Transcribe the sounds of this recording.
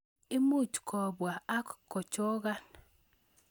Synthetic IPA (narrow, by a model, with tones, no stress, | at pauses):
ɪ˦mu˦t͡ʃkʰɔ˨bwa˨a˦kkːɔ˨t͡ʃo˦ɡa˦n